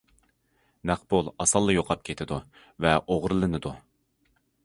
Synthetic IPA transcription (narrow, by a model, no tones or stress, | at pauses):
næqbolˠɑsɑlˠːɨjoqʰɑp̚kʲʰet̪ʰɪd̪u | vɛʔoʁɾɨlˠɨnɨd̪u